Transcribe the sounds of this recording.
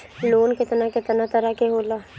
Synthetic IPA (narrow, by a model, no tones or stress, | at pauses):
loːnkɪt̪naket̪nat̪əɾakeɦoːla